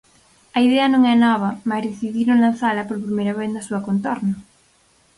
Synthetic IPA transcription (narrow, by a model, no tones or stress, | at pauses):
ɐiðeɐnõŋɛnɔβ̞ɐmazðeθiðiɾnoŋlãn̟θalɐpoɾpɾimejɾɐβeθd̪ɐsuɐkont̪ɔɾnɐ